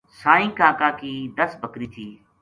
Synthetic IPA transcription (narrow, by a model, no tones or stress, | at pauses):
saːĩːkaːkaːkiːd̪əsbʱəkɾiːt̪ʰiː